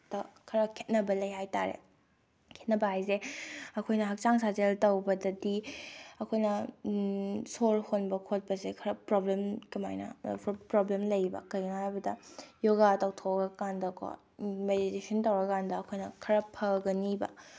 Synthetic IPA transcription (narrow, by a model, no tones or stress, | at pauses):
tɐkʰɐɾɐkʰet̚nɐbɐlɐjɦajta̰ɾḛ | kʰet̚nɐbɐɦajzeɐkʰojnɐɦɐk̚t͡ʃaŋsazeltɐwbɐdɐdiɐkʰojnɐ | solhonbɐkʰot̚bɐsekʰɐɾɐpɾoblemkɐma̰jnɐ̰pɾoblemlɐjbɐ̰kɐjŋajbɐdɐjoɡatawtʰoɡɐkandɐkʰo̰ | meditesɐntɐwɾɐkandɐːkʰojnɐkʰɐɾɐpʰːɐɡɐnibɐ̰